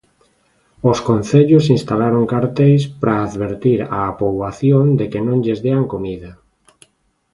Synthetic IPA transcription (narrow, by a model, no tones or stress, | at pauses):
oskonθeʎʊsinst̪alaɾoŋkaɾt̪ejspɾʔaːðβeɾt̪iɾaːpoβaθjond̪ekenõŋʎezðeaŋkomiða